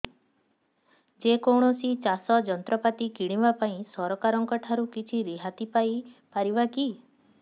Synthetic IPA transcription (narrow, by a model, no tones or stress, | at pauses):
d͡ʒekɔwɽ̃ɔsit͡ʃasɔd͡ʒɔnt̪ɾɔpat̪ikiɽ̃ĩbapaĩsɔɾɔkaɾɔŋkɔʈʰaɾukit͡ʃʰiɾiɦat̪ipaipaɾibaki